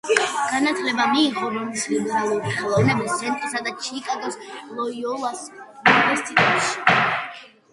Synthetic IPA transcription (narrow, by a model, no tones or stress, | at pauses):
ɡ̥anat̪ʰlɛbamiːqɔɾɔnislibɾalˠuɾiχɛlˠɔvnɛbist̪sʰɛnt̪ʼɾsad̪at͡ʃʰikʼaɡɛslˠɔiɔlˠas | univɛɾst̪ʰʼit̪ʼɛt̪ʃi̥